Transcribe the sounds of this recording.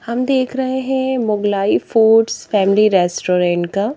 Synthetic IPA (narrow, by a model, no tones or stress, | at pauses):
hɐmd̪eːkʰɾɐɦeɦɛ̃mʊɡlaːifuːɖsfɛːmɪliɾɛːsʈoːɾɛ̃ːɳʈkaː